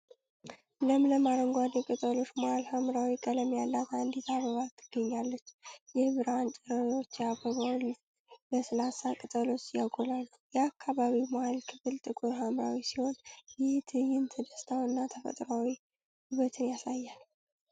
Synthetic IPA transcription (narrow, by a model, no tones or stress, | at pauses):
ləmləmaɾəŋɡʷad̪ɛkʼɨt̪ʼəlo̞t͡ʃːmohalhamɾawikʼələmjalːat̪aɨnd̪it̪ʰaβəβat̪ʰːɨɡ̥ːəɲːalːət͡ʃːjɛhβɨɾant͡ʃʼɛɾəɾwo̞t͡ʃːjabəβawl | ləsəlasakʼɨt̪ʼəlo̞t͡ʃːjaɡolalːujɛakʰːaβaβimahalkʰɨfɨlt̪ʼɨkʼojɦamɾawisiho̞njɪht̪ʰɨjɪnt̪ʰəd̪əst̪ʰawɨnːat̪ʰəfə̰t̪ʼɾawi | hɨβət̪ʰɨnjasajːal